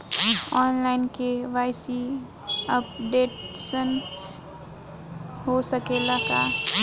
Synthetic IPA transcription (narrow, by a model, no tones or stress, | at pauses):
ɔːnlaːɪnkeʋaːɪsi | əp̚ɖeːʈsən | ɦosəkeːlaka